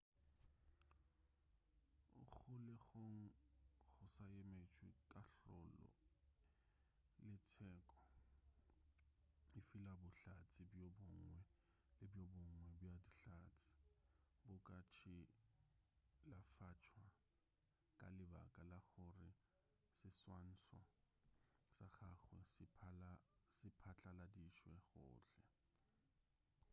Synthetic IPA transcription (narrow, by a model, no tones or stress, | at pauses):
ʊ̰ɣʊlɪɣoŋ̩ɣʊsajemet͡ʃʼwɪkʼaɬɔ̰lɔ̰ | lɪtʰɛːkʼɔ̥ | ɪfɪlabʊɬat͡sʼɪbjɔbʊŋwɛ | lɪbjɔbʊŋwɛbjadiɬaːt͡sʼɪ̥bʊkʼat͡ʃʰɪ | lafat͡ʃʰwa | kʼalɪba̰kʼalaɣʊrɪ | sɪswan̩sɔ̰ | saχaχwɛ | sɪpʰat͡ɬʰʼaladiʃwɛɣʊ̰ːɬɛ